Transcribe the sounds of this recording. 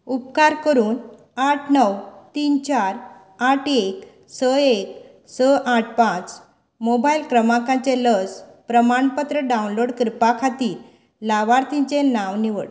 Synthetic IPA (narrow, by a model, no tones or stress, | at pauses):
upkaɾkəɾuːn | aʈʰnəwt̪iːnt͡ɕaɾ | aʈʰek | səek | səʔaʈ̚ʰpãt͡s | mobailkɾəmãkãt͡seləspɾəmaɳpət̪ɾəɖaunloɽkɾipakʰat̪iːɾ | laʋaɾt̪ʰĩt͡senaʋniʋəɽ